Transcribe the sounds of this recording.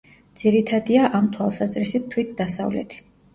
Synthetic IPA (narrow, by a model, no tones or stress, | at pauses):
d̪z̥iɾit̪ʰad̪iaʔamt̪ʰwalˠsazɾisit̪̚ʰːwit̪̚d̪asa̰vlɛ̰t̪ʰi̥